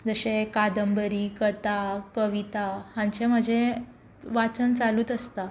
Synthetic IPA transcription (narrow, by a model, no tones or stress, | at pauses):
d͡zəɕekad̪əmbəɾikət̪akəʋit̪ahãɲt͡ɕem̤əd͡ʑʱẽ | ʋat͡sənt͡saluːt̪əst̪a